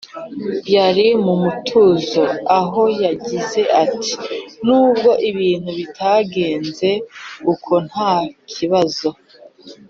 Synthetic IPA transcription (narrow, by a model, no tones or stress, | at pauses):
jaɾimumutʰuzo̞aɦo̞jaɟize̞ʔatʰi̥nuːb̚ɡo̞ʔiβiːn̥huβitʰaɡe̞ːnze̞ukʰo̞n̥hakʰiβazo̞